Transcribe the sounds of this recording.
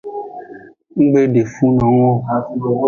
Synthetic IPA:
ŋ̩˦ɡ͡be˦ɖe˨fũ˦nã˨˦ŋ˦ɔ˦˨˦

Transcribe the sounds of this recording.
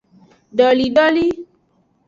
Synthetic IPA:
ɖɔ˨li˨ɖɔ˦li˦

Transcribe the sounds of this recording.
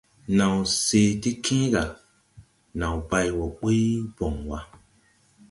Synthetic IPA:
nã˨wse˧ti˦kʰĩ˦ɡa˨ | nã˨wba˧jwɔ˨ɓi˦jbɔ˨ŋwa˦

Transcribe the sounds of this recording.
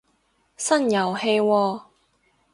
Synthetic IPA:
sɐ˥njɐ˨˩whe˧jwɔː˧

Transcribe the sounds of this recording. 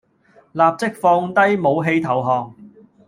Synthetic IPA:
laː˨p̚t͡sɪ˥k̚fɔː˧ŋt̪ɐ˥jmo˨˧wɦe˧jt̪ʰɐ˨˩wɦɔː˨ŋ

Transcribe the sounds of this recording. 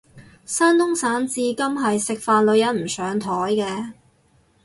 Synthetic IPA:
saː˥nt̪ʊ˥ŋsaː˨˥nt͡siː˧kɐ˥mɦɐ˨jsɪ˨k̚faː˨˧nlɵ˨˧ɥjɐ˨˥nm̩˨˩sœː˨˥ŋt̪ʰɔː˨˥jkɛː˧

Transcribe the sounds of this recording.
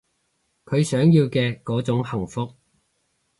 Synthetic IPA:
kʰɵ˨˧ɥsœː˨˥ŋjiː˧wkɛː˧kɔː˨˥t͡sʊ˨˥ŋhɐ˨˩ŋfʊ˧k̚

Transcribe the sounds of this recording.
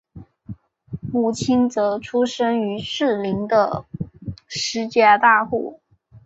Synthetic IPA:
mu˨˩t͡ɕʰi˥nt͡sɤ˧˥ʈ͡ʂʰu˥ʂə˥ŋy˧˥ʂɻ̩˥˩li˧˥ŋd̪ə˧ | ʂɻ̩˧˥t͡ɕja˥t̪a˥˧xṵ˥˩

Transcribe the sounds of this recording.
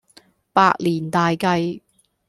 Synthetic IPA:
pa̰ː˧k̚liː˨˩nt̪aː˨jkɐ˧j

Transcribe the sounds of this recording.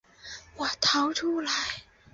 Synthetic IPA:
wɔ˨˩t̪ʰɑ˧˥ʊʈ͡ʂʰu˥la˨˧˥ɪ

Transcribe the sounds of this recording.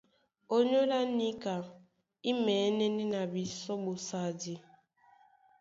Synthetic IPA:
o˦ɲo˦la˦ni˦ka˨ | i˦mɛ˨˦nɛ˦ni˦na˨bi˨sɔ˦bo˨sa˨di˨

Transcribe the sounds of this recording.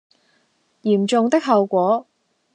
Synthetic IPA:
jiː˨˩mt͡sʊ˨˧ŋt̪ɪ˥k̚ɦɐ˨˧wkʷɔː˨˥

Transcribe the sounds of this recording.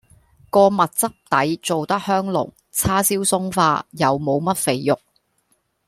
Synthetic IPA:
kɔː˧mɐ˨t̚t͡sɐ˥p̚t̪ɐ˨˥jt͡so˨wt̪ɐ˥k̚hœː˥ŋlʊ̰˨˩ŋ | t͡sʰaː˥siː˥wsʊ˥ŋfaː˧jɐ˨wmo˨˧wmɐ˥t̚fe˨˧jjʊ˨k̚

